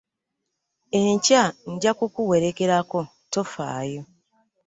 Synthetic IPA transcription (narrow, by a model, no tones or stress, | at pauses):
eɲcaɲ̩ɟakokuwe̞ɾeke̞ɾako̞ | to̞fa̰ːjo